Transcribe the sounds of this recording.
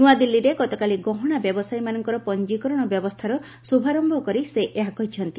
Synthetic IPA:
nuad̪ilːiɾeɡɔt̪ɔkaliɡɔɦɔɽ̃abjɔbɔsajmanɔŋkɔɾɔpɔnd͡ʒikɔɾɔɽ̃ɔbjɔbɔst̪ʰaɾɔ | subʱaɾɔmbʱɔkɔɾiseʔeɦakɔɦit͡ʃʰɔnt̪i

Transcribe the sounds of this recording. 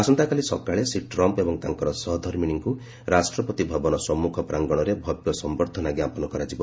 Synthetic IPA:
asɔnt̪akalisɔkaɭesiʈɾɔmpebɔŋt̪aŋkɔɾɔsɔɦɔd̪ʱɔɾminiŋku | ɾasʈɾɔpɔt̪ibʱɔbɔnɔsɔmːukʰɔpɾaŋɡɔɽ̃ɔɾebʱɔbjɔsɔmbɔɾd̪ʱɔnaɡjapɔnɔkɔɾad͡ʒibɔ

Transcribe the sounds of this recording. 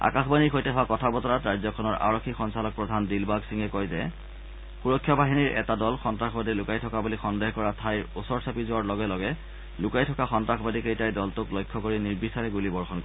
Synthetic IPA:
a̰kaxbaniɹxojtɛɦɔwakɔtʰabɔtɔɹatɹajzɔkʰɔnɔɹʔa̰ɹokʰːixɔnsalɔk̚pɹɔdʱandilbaɡsiŋɛkɔjzɛ̰ | xuɹɔkʰːjɔbaɦiniɹɛ̰tadɔlxɔntɹaxɔbadilʊkajtʰɔkabulixɔndeɦkɔɹatʰajusɔɹsapizʊaɹlɔɡɛlɔɡɛ | lʊkajtʰɔkaxɔntɹaxɔbadikejtajdɔltʊklojkʰːɔkoɹiniɹbisaɹɛɡulibɔɹxɔnkɔɹɛ

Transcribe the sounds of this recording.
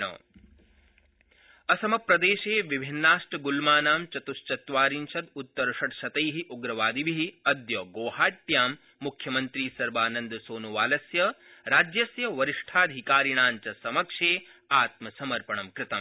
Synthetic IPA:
ɐ̰ | ɐsɐmɐpɾɐd̪eːʃeːʋibʱinːaːʂʈɐɡulmaːnaːmt͡ʃɐt̪ust͡ʃɐt̪ʋaːɾinʃɐd̪ut̪ːɐɾɐʃɐʈʃɐt̪ɐjɦiʔuɡɾɐʋaːd̪iʋiɦiɐd̪joːɡoːhaːʈːjaːmː | ukʰjɐmɐnt̪ɾiːsɐɾʋaːnɐnd̪soːnuʋaːlɐsjɐɾaːd͡ʒjɐsjɐʋɐɾiʂʈʰaːd̪ʱikaːɾiɳ̃aːɲt͡ʃɐsɐmɐkʂeː | aːt̪mɐsɐmɐɾpɐɳɐmkɾɪt̪ɐm

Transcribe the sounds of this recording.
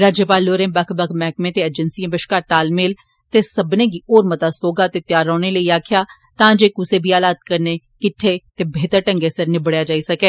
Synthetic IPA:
ɾaːd͡ʒjəpaːlːoːɾẽːbəkʰbəkʰmɛːkmẽːt̪eːəd͡ʒənsiẽbɪʃkaːɾʈaːlmeːl | t̪eːsəbnẽːɡiːoːɾmət̪aːsoːɡaːt̪eːt̪jaːɾɔːneːləiːaːkʰjaː | t̪ãːd͡ʒeːkuseːbʱiːaːlaːt̪̚kəɾneː | kɪʈʰːeːt̪eːbʱeːt̪əɾʈə̃ŋɡeːsəɾnɪbɽjaːd͡ʒaːisəkeː

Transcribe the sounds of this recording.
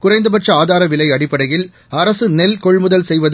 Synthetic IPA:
kʊrɐɪnd̪ɯpɐʈt͡ʃɐaːðaːɾɐʋɪlɐɪɐɽɪpːɐɽɐjɪl | ɐɾɐsɯnɛlkɔɭmʊðɐlsɛjʋɐð

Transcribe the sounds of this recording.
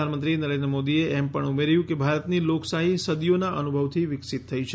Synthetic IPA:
anmənt̪ɾinəɾend̪ɾəmod̪ieʔɛmpəɳumeɾjũkebʱaɾət̪niloksaɦisəd̪ijonaʔənubʱəʋt̪ʰiʋɪksit̪ʰːəjt͡ʃʰe

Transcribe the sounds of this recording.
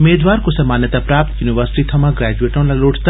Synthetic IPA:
meːd̪ʋaːɾkosɐmaːnjət̪apɾaːp̚t̪juːniʋəɾsɪ̥ʈit̪ʰɐmãɡɾɛːd͡ʒueːʈõlaloːʈʰt̪

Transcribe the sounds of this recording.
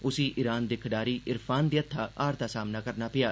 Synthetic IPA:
ʊsĩːʔɪɾaːnd̪ɪkʰɖaːɾiːʔɪɾpʰaːnd̪iːət̪ʰːaːaːɾt̪aːsaːmnaːkəɾnaːpɪjaː

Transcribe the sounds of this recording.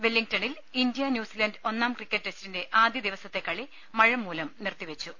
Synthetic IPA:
ʋelːiŋɡtɐɳil | indijɐnjuːsilɐndɨo̞nːaːmkrikʲːɐʈːresi̥tinde̞ʔaːd̪jɐd̪iʋɐsɐt̪ːe̞kːɐɭi | mɐɻɐmːuːlɐmnirt̪ːiʋet͡ɕːu

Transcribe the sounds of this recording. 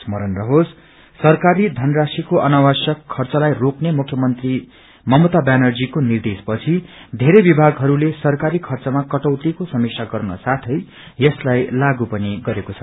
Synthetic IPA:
smʌɾʌnrʌɦos | sʌrkaɾid̪ʱʌnrasikoʔʌnawasʌkʰːʌrt͡sʌlajroknemukʰjʌmʌnt̪ri | mʌmot̪abanʌrd͡zikonird̪espʌt͡sʰid̪ʱeɾejbibʱaɡɦʌɾulesʌrkaɾikʰʌrt͡sʌmakʌʈʌwt̪ikosʌmiksʰaɡʌrnʌ̰sat̪ʰʌj | jʌslajlaɡupʌniɡʌɾekot͡sʰʌ̥

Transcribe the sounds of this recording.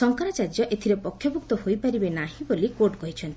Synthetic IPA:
sɔŋkaɾɔt͡ʃad͡ʒɔʔet̪ʰiɾepɔkʰːjɔbuk̚t̪ɔɦojpaɾibenaɦĩbolikoɾʈɡɔɦit͡ʃʰɔnt̪i̥

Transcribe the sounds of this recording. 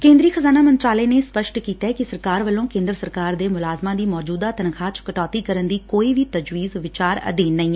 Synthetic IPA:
kẽːnd̪ɾiːxʰəzaːnaːmənt͡ʃaːleːneːspəʃʈkiːt̪akisəɾkaːɾʋəlõːkẽːnd̪ɾəsəɾkaːɾd̪eːmʊlaːzmãːd̪iːmɔːd͡ʒuːd̪aːt̪ənkʰaːt͡ʃkəʈɔːt̪iːkəɾənd̪iːkoːiːʋiːt̪əd͡ʒʋiːzʋɪt͡ʃaːɾə̰d̪eːnəĩː

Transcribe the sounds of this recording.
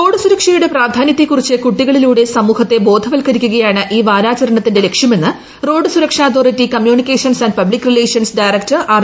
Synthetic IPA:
ro̞ːɖɨsuɾɐkʂɐjuɽe̞praːd̪ʱaːnjɐt̪ːekːurit͡ɕːɨkuʈːiɣɐɭiluːɽe̞sɐmuːhɐt̪ːe̞bo̞ːd̪ʱɐʋɐlkɐɾikʲːuɣɐjaːɳɨʔiːʋaːɾaːt͡ɕɐɾɐɳɐt̪ːinde̞le̞kʂjɐme̞nːɨ | ro̞ːɖɨsuɾɐkʂaːt̪ʰoːritːikɐmjuːnikʲːeːʂɐnsɐnɖpɐblikːrileːʂjɐnsɖɐjrɐk̚tɐraːr

